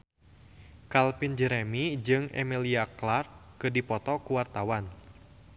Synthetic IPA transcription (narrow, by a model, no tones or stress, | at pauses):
kalpind͡ʒəɾemid͡ʒɨŋɛ̰miliaklart̪̚kɨdipɔt̪ɔkuwart̪awan